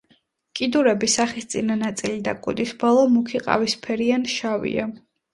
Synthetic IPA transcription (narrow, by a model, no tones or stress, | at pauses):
kʼid̪uɾɛbisaχist̪sʼinanat̪sʼilid̪akʼṵd̪isbɔlˠɔmukʰiqʼa̰vispʰɛɾianʃavḭa̰